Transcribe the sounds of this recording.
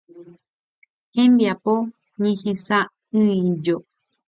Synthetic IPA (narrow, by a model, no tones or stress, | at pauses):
hẽmbiapo | ɲẽhẽsa | ɨ̃ĩd͡ʒo